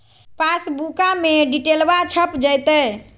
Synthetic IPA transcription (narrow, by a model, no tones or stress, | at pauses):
pasbukameɖiʈelbat͡ʃʰəpd͡ʒəjt̪ə